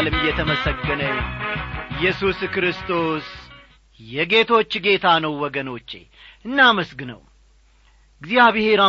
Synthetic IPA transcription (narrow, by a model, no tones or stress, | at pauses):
lɨmjɛt̪ʰəməsəɡːənəɲ | jːɛsuskɾɨst̪ʰo̞s | jɛɡe̞t̪ʰo̞t͡ʃːɡe̞t̪ʰanəwːɔɡəno̞t͡ʃːe̞̰ | ʔɨnːaməsɡɨnə̰w | ɡɨzijaβɨhe̞ɾa